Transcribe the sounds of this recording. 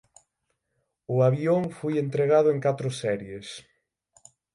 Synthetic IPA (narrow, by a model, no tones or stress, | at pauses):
ʊaβjoŋfojent̪ɾeɣaðʊeŋkat̪ɾʊsɛɾjes